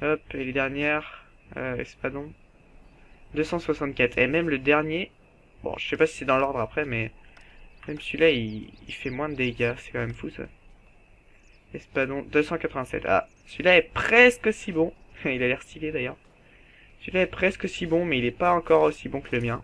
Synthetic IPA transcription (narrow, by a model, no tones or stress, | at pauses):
ɔpeled̪ɛʁnjɛʁ | ø̰ɛ̰spad̪ɔ̃ | d̪øsɑ̃swasɑ̃t̪̚kʲat̪χemɛmləd̪ɛʁnje | bɔ̰̃ʒəsɛpasi̥sɛd̪ɑ̃lɔʁd̪ʁapχɛmɛ | mɛmsɥilaḭːfɛmwɛ̃d̪əd̪eɡʲasɛ̥kɑ̃mɛmfusa̰ | ɛspad̪ɔ̃d̪øsɑ̃kat̪χəvɛ̃sɛ̰t̪a̰ | sɥilaɛpχɛskosibɔ̃ilalɛʁst̪iled̪ajœːʁ | sɥilaɛpχɛskosibɔ̃mɛilɛpaɑ̃kɔʁosibɔ̃kələmjɛ̃